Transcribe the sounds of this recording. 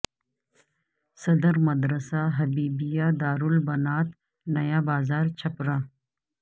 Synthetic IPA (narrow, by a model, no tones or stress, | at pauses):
sɐd̪əɾmɐd̪ɾəsaɦɐbiːbijad̪aːɾulbɐnaːt̪ | nɐjabaːzaːɾt͡ʃʰɐpɾaː